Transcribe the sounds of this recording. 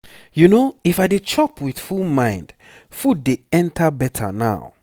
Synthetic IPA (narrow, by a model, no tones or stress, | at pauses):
junoifaɪdet͡ʃʰɔpʰwið̥fulmãɪ̃nd̥ | fud̚ːeɛ̃ntʰəbɛtʰə̰na̰ʊ